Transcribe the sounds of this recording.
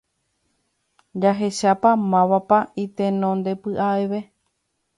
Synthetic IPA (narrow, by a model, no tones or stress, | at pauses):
d͡ʒaɦe̞ʃapamãʋapait̪e̞nõnd̪e̞pɨʔaeʋe̞